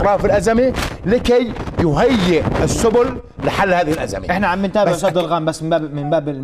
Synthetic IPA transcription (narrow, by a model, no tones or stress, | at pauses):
ɾˤɑːfɪlʔazamilɪkajjʊɦajːɪʔɪsːʊbʊlː | ɪħalːhaːðɪhɪlʔa̰za̰miʔɪħnaʕambɪnt̪aːbɪʕʃɑd̪ːɪlɣaːmbasːmɪbaːbmɪmbaːbɪ